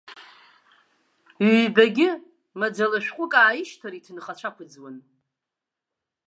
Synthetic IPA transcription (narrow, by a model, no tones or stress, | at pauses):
ɥbaɡʲɪ | mad͡zalaʃᶣqʷʼʊkʼaːjiʃtʰaɾitʰɨnχat͡ʃʷʰakʷʰʊd͡zwan